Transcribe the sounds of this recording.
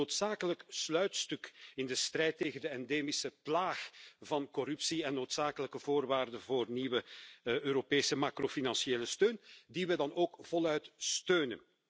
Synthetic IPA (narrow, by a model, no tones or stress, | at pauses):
oːtsaːkələkslœɥtstʏkɪndəst̪rɛjteːɣəndəɛndeːmisəplaːxvɑnkɔɾʉpsiɛnːoːtsaːkələkəvoːrʋaːrdəvoːrniʋəʔøːɾopeːsəmaːkrofinɑnsieːləstøːndiʋɛdɑnoːkv̥ɔlœɥtstøːnə̰n